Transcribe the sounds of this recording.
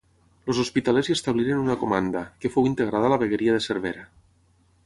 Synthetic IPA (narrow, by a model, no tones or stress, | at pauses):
lozospit̪alezjest̪aβliɾenunakomand̪akefowint̪eɣ̞ɾaðalaβeɣeɾiaðeseɾβ̞eɾa